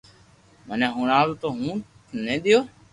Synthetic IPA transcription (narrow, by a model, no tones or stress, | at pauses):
mənẽːɦũːɳaːlːt̪oːɦũː | nẽːɗ̪ɪjoː